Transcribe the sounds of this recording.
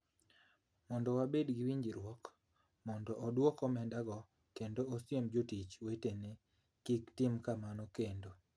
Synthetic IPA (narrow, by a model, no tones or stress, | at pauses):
mɔndɔwabedɡiwiɲd͡ʒiɾwɔk | mɔndɔʔːdwɔkɔmɛndaɡɔ | kendoosjemd͡ʒotit͡ʃwetene | kiktɪmkamanɔkendo